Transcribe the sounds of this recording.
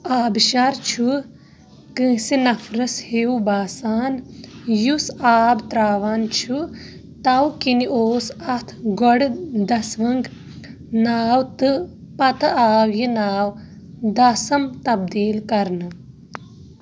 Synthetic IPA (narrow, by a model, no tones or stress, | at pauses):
aːbʃaɾt͡ʃʰu | kɨ̃ːsinɐfɾɐshewbaːsaːnjusaːbt̪ɾaːʋaːnt͡ʃʰu | t̪ɐwkiniʔoːsɐt̪ʰɡoɽd̪ɐsʋɐŋɡ | naːwt̪ɨ | pɐt̪ɐaːwjinaːw | d̪ɐsɐmt̪ɐbd̪iːlkɐɾnɨ